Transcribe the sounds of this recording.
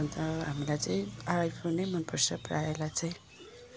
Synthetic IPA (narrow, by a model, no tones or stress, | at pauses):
nt̪ʌɦamilajt͡sʌĩaajpʰonejmʌnpʌrsʌpraelat͡sʌj̃